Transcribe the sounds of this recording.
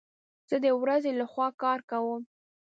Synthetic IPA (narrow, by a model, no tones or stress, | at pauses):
z̥əd̪əwɾazelaxwɑkɑɾkawəm